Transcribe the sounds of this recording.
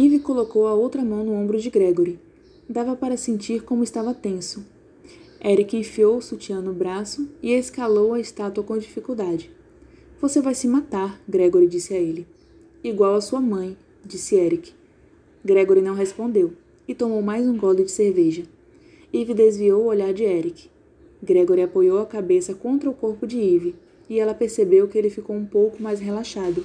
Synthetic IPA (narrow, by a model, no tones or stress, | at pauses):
ivikolokowɐowt̪ɾɐmɐ̃w̃nʊõmbɾʊd͡ʒɪɡɾɛɡoɾɪ | d̪avɐpaɾɐsẽnt͡ʃiɾkõmʊɪst̪avɐt̪ẽsʊ | ɛɾikɪẽfiowʊsut͡ʃiɐ̃nʊbɾasʊɪeskalowɐest̪at̪uɐkõd͡ʒifikuwd̪ad͡ʒɪ | v̥osevajsɪmat̪aɾɡɾɛɡoɾid͡ʒisɪaelɪ | iɡwawɐsuɐmɐ̃j̃ | d͡ʒisɪɛɾikɪ̥ | ɡɾeɡoɾiɪnɐ̃w̃ɦespõnd̪ew | ɪt̪omowmajzũɡɔd̪ʊd͡ʒɪseɾveʒɐ | ivid̪ezviowʊoʎaɾd͡ʒɪɛɾikɪ̥ | ɡɾeɡoɾɪapojowɐkabesɐkõnt̪ɾɐʊkoɾpʊd͡ʒɪivɪ | ɪɛlɐpeɾsebewkɪelɪfikowũpowkʊmajsɦelaʃad̪ʊ